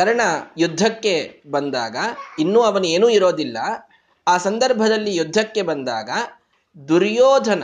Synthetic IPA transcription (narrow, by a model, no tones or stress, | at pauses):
kɐɾɐɳɐjud̪ʱːɐkːe̞bɐnd̪aːɡɐinːuːɐʋɐnueːnuːiɾoːd̪ilːɐ | aːsɐnd̪ɐɾbʱɐd̪ɐlːijud̪ʱːɐkːe̞bɐnd̪aːɡɐ | d̪uɾjɔːd̪ʱɐnɐ